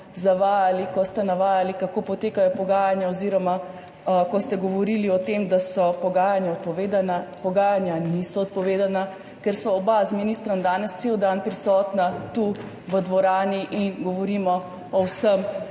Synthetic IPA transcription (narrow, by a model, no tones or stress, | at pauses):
zaʋaːjalikɔst̪ɛnaʋaːjalikakoːpɔt̪eːkajɔpɔɡaːjanjaɔziɾɔma | kɔst̪ɛɡɔʋɔɾiːliɔt̪emd̪asɔpɔɡaːjanjaɔt̪̚pɔʋeːd̪anapɔɡaːjanjanisɔɔt̪̚pɔʋeːd̪ana | kɛɾsʋaɔbazminiːst̪ɾɔmd̪aːnɛst̪seːwd̪anpɾisɔːt̪nat̪u | ʋəd̪ʋɔɾaːniʔinɡɔʋɔɾiːmɔ | ɔwsəm